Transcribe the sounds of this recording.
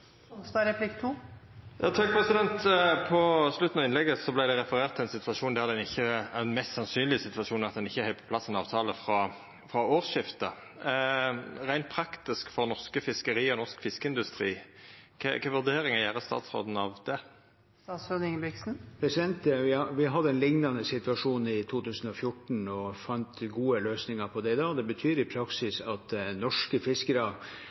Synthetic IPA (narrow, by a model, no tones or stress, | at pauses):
st̪ɑːɾɛpʰlɪkt̪ʰuːjɑːt̪ʰɑkpʰʁɛsɪd̪ɛnt̪pʰɔslʉt̪n̩ɑʋɪnlɛɡəsɔblæɪd̪ɛɾɛfəɾeːʁt̪ʰːɪæɪnsɪt̪ʋɑʃuːnd̪æɾd̪ɛnɪçːəænmɛst̪sɑnsyːnlɪsɪt̪ʋɑʃuːnɑt̪̚d̪ɛnɪçːəhɛɪpʰɔ̥pʰlɑsːɛnɑ̰ːʋt̪ʰɑːləfɾɑ | fʁɑoːʁʃɪft̪ə | ʁæɪnt̪̚pʰɾɑkt̪ɪskfɔʁnɔʁskəfɪskəɾiːɔnɔʁskfɪskəɪnd̪ʉst̪ʁḭːkʰɛkʰɑʋʉʁd̪eːɾɪŋɑjæːʁəst̪ɑ̰ːt̪sʁo̰ːd̪n̩ɑʋd̪ɛ | ɑt̪sfød̪ɪŋbɪksn̩pʰɾɛsɪd̪ɛnt̪ʋɪʋɪɦɑd̪ːəɛnlɪŋnɑnəsɪt̪ʉɑʂuːnɪt̪ʰuːt̪ʉːsən̩ɔfjʊʈɳ̩ɔfɑnt̪ɡuːəløːsnɪŋɑɾpʰɔd̪ɛɪd̪ɑːd̪ɛbət̪ʰyːɾɪpʰɾɑksɪsɑt̪nɔʂkəfɪskəɾɑ